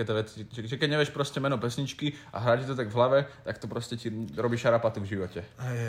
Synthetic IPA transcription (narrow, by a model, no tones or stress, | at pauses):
ɛt̪ɛʋɛt͡siɛʒɛkɛɟɲɛʋɪɛʃpɾɔscɛmɛnɔpɛsɲit͡ʃkiʔa̰ɦɾaːt͡ʃit̪ɔt̪aɡvɦlaʋɛt̪akt̪ɔpɾɔscɛciɾɔbiːʃaɾapat̪uvʒiʋɔcɛ